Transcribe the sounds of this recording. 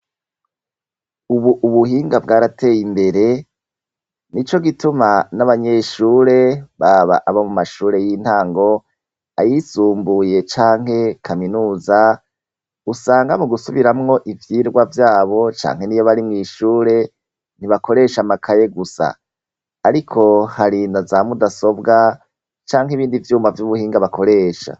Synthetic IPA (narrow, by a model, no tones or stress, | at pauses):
uβuʔːβuhiːŋɡabɡaːɾatʰe̞ːjimbe̞ɾe̞ | nit͡ʃo̞ɡitumanaβaɲe̞ːʃuːɾe̞βaβa̰ʔaβamumaʃuːɾe̞jin̥haːŋɡo̞ | a̰jisuːmbuje̞t͡ʃaːŋɦe̞kʰaminuːza | usaːŋɡamuɡusuβiɾamŋo̞ʔivjiːɾɡwavjaːβo̞t͡ʃa̰ːŋhe̞niːjoβaɾimŋiːʃuːɾe̞ | n̥iβako̞ɾe̞ːʃamakʰaje̞ɡusa̰ː | ɾikʰo̞haɾinazamudaso̞bɡa | t͡ʃaːŋɦiβiːndivjuːmavjuβuhiːŋɡaβakʰo̞ɾe̞ːʃa̰